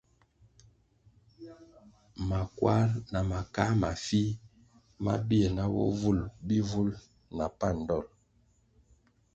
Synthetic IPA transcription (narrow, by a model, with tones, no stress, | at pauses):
ma˨kwa˦ɾna˨ma˨ka˦ma˨fi˦ | ma̰˦bi˦e˨na˦wɔ̰˦vu˦˨lbi˦vu˦l | na˨pa˦˨n̩˨dɔ˦˨l